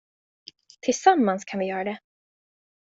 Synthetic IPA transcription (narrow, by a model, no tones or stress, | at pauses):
t̪ʰɪlsamːanskʰanvɪjœːɾad̪ɛ